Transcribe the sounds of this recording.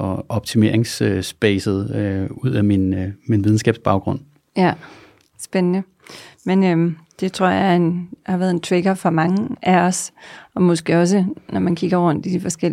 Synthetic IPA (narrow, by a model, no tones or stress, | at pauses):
ɒ̽ɒ̽b̥t͡sʰime̝ɐ̰eŋsøsb̥ɛːsð̩ˠøuð̞̰ˠæminminʋið̞ˠn̩ɡ̥ɛ̰ːb̥sb̥ɑ̈ʊɡ̥ʁɔ̽n̰ | jæ | sb̥enənə | menømd̥e̝t͡sʰʁo̝ɐ̰jɑenhɑ̈ʋæːɐðˠe̝nt͡sʰʋeɡ̥ɐfɒmɑ̈ŋəʔæɒ̽sɒ̽mɔ̽sɡ̥e̝ɒ̽s̬ənɒmænkʰiɡ̥ɐʁɔ̽n̰d̥id̥ifɒ̽sɡ̥el̰